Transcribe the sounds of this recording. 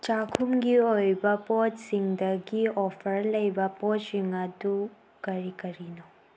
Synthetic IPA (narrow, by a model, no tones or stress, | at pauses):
t͡ʃakʰumɡiojbɐpɔtsiŋdɐɡiopʰɐɾlɐjbɐpɔsiŋɐdu | kɐɾikɐɾino